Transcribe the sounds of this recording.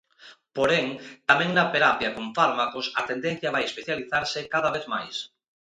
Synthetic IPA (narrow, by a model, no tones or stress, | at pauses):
poɾeŋt̪amɛ̃ŋnɐpeɾapjɐkoɱfaɾmakosɐt̪end̪ẽn̟θjaβajespeθjaliθaɾsɪkaðɐβ̞eθmajs